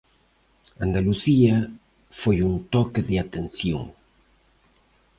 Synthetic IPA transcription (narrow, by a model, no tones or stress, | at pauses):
and̪aluθiɐ | fojunt̪ɔkɪðɪat̪enθjo̰ŋ